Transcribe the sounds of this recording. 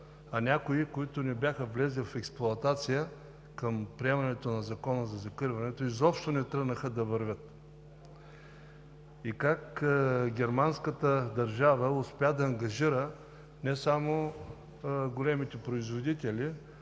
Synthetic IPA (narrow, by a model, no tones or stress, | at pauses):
ɐnʲakʊikoit̪ʊnɛbʲjaxəvlɛzʲlʲifɛksplˠʊɐt̪at̪sijə | kɐmpɾiɛmɐnɛt̪onɐzɐkɔnəzɐzɐkəɾvɐnɛt̪oizɔpʃt̪onɛt̪ɾəɡnəxəd̪ɐvəɾvʲət̪ | ikakɡʲɛɾmanskət̪əd̪ɐɾʒavəʊspʲɛd̪ɐːŋɡɐʒiɾə | nɛsamo | ɡolɛmit̪ɛpɾoizvod̪it̪ɛlʲi